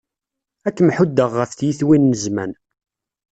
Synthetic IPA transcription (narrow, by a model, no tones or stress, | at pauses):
ækːmħud̪ːəʁːəfθjiθwinːəzmæ̰n